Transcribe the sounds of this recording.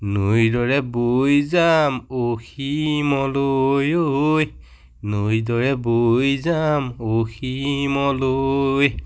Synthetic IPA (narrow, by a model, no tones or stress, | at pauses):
nojdɔɹɛbojzamoximɔlojoj | nojdɔɹɛbojzamoximɔloj